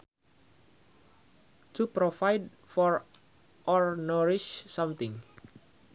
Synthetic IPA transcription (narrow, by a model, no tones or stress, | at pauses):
tupɾofajd̚ | fɔɹ | ʔɔɹnɔɾiʃsãmt̪ɪ̃ŋ